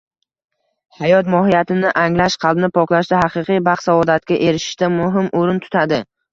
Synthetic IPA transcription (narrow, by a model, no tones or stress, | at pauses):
hajɒt̪mɒɦɪjat̪ʰɪnɪʔaŋlaʃqʰɑlˠbɪnɪpʰɒklˠaʃd̪aɦɑqɨqɨjbɑχsavɒd̪at̪̚kʲaʔeɾɪʃɪ̥ʃt̪amʊɦɪmʔoɾɪnt̪ʰʊ̥t̪ʰad̪ɪ